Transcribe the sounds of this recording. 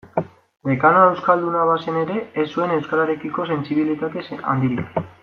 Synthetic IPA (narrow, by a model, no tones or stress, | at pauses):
be̞kanae̞wskald̪unaβase̞ne̞ɾe̞ːsːue̞ne̞wskaɾaɾe̞kiko̞se̞nsiβilit̪at̪esa̰nd̪iɾik